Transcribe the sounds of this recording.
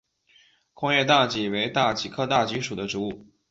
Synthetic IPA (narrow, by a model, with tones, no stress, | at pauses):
kʰʊ˥ŋjɛ˥˧t̪a˥˩t͡ɕi˧˥˩we˧˥ɪt̪a˥˩t͡ɕi˨˥kʰɤ˥˧t̪a˥˩t͡ɕi˧˥ʂu˨˩d̪ə˦ʈ͡ʂu˧˥u˥˩